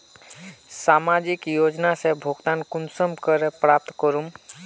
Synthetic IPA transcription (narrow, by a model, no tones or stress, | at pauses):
samad͡ʒikjod͡ʒnasebʱoɡt̪ankunsəmkəɾepɾap̚t̪kəɾum